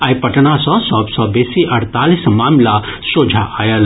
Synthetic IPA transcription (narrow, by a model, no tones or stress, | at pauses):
ajpɐʈnasɔ̃sɔbsɔbeːsiʔɐɽt̪aːlismaːmlasoːd͡ʒʱaʔajəl